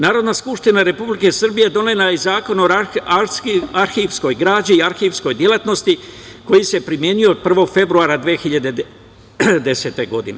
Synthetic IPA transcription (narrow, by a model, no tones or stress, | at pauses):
naːɾo̞d̪naskupʂt̪inaɾe̞publike̞sr̩bije̞d̪o̞nelaezaːko̞no | aɾxiʋsko̞jɡɾaːd͡ʑiːaɾxiʋsko̞jd̪jelat̪no̞st̪iko̞jise̞pɾimje̞nijod̪pr̩ʋo̞ɡ̥fe̞bɾuaːɾad̪ʋijexiʎad̪e | d̪e̞se̞t̪e̞ɡo̞d̪ine̞̰